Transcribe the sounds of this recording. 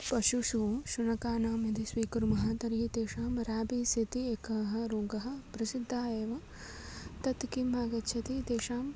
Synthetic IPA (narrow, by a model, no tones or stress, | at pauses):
pɐʃuʃuːʃunɐkaːnaːmjɐd̪isʋiːkɐɾumɐɦaːt̪ɐɾiɦit̪eːʂaːmɾaːbisit̪ieːkɐɦɐ̆ɾoːɡɐɦɐ̆pɾɐsid̪ʱːaːjeːʋɐ | t̪ɐt̪kimːaːɡɐtːʃʰɐt̪it̪eːʃaːm